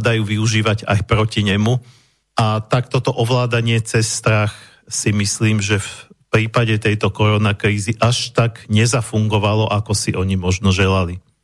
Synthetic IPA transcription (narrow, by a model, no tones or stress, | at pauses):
d̪ajuːʋiuʒiːʋaɟa̰jpɾɔciɲɛmu | ʔat̪akt̪ɔt̪ɔʔɔʋlaːd̪aɲɪɛt͡sɛsːt̪ɾax | simisliːmʒɛf | pɾiːpaɟɛt̪ɛjt̪ɔkɔɾɔnakɾiːziʔaʃt̪aɡɲɛzafuŋɡɔʋalɔʔakɔsiʔɔɲimɔʒnɔʒɛlali